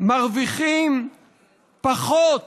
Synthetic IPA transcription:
maʁviχim | paχot̪

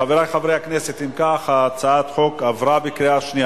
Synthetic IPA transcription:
aveɾajχavʁejakneset̪imkaχaːt͡saat̪χokavʁabekɾiaʃnia

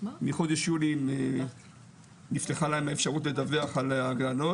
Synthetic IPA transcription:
miχo̞d̪eʃjulime | nifteχalaemaefʃaʁutle̞d̪aveaχalaɡlano

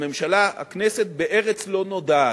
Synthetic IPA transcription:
me̞mʃalaha̰knese̞t̪̚beʔeʁet͡slo̞no̞d̪aː

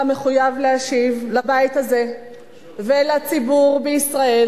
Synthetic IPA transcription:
me̞χujavleaʃivlabait̪haze̞ | velat͡sibuʁbeisʁae

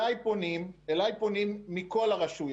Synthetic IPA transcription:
ajponimelajponimːiko̞laʁaʃuj

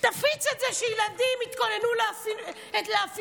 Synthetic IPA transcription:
t̪afit͡set̪zeʃɛjilad̪imit̪ko̞nenulaf | eleaf

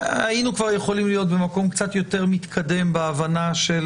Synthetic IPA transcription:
ainukvaʁjeχo̞limlijo̞t̪̚be̞mako̞mkt͡sat̪jo̞t̪e̞ʁmit̪kʰade̞mbeavanaʃe̞l

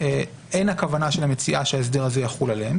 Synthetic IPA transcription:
e | ʔe̞nakavanaʃelamet͡siʔaʃeaes̬d̪eʁazejaχulaleem

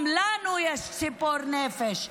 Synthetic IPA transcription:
mlaːnujɐssipoɾnefeʃ

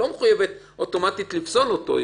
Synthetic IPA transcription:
omeχujevet̪ | oto̞mat̪it̪lifsonoto̰

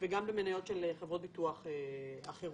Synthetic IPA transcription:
veɡambemenajo̞tʃelχevʁot̚bituaχeaχeʁ

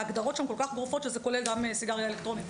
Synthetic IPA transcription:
aɡd̪aʁo̞tʃamko̞lkaχɡʁufo̞t̪ʃezeko̞le̞lɡamesiɡaʁjaelekt̪ʁo̞nit

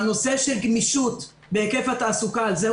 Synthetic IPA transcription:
no̞se̞ʃelɡmiʃut̪ | beekefhat̪aːsukalze

